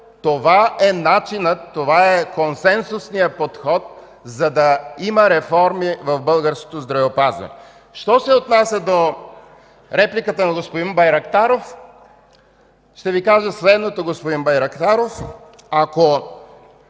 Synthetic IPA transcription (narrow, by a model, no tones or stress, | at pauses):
t̪ovaɛnat͡ʃinət̪ːovaɛkonsɛnsʊsnijəpot̪xɔt̪̚ | zɐd̪ɐimɐɾɛfɔɾmivɐvbɤlˠɡəɾsko̥t̪ozd̪ɾɐvɛopazvɐ̰nɛ̰ | ʃt̪ɔsɛot̪nasʲjəd̪o | ɾɛplikət̪ənɐɡospod̪inbɐjɾɐkt̪aɾof | ʃt̪ɛvikaʒəslɛd̪not̪oɡospod̪inbɐjɾɐkt̪aɾof | ako